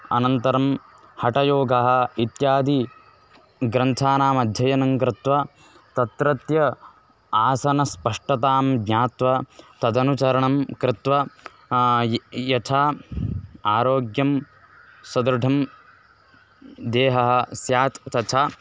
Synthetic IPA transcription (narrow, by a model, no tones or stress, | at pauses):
ɐ̰nɐnt̪ɐɾɐm | hɐʈɐjoːɡʱɐɦɐ̆it̪jaːd̪i | ɡɾɐnt̪ʰaːnaːmɐd̪ʱjɐjɐnɐŋkɾɪt̪ʋɐ | t̪ɐt̪ɾɐt̪jɐ | aːsɐnɐspɐʂʈɐt̪aːmɡ̪ɲaːt̪ʋɐt̪ɐd̪ɐnut͡ʃɐɾɐɳɐmkɾɪt̪ʋɐ | jɐt̪ʰaː | aːɾoːɡjɐm | sɐd̪ɾɐɖʱɐm | d̪eːɦɐɦɐ̆sjaːt̪t̪ɐt͡ʃʰaː